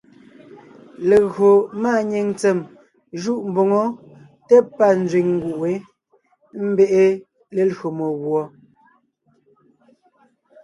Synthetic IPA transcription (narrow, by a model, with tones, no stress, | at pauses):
le˨ɣo˨maː˦˨ɲe˨ŋt͡se˨m | ʒu˦˨ʔm̩˨bo˨ŋɔ˦ | tɛ˦pːa˦˨n˦d͡zɥi˨ŋŋ˦ɡu˨ʔe˨˦ | m̩˦be˦ʔe˦ | le˨lɰo˨mo˨ɣwɔ˨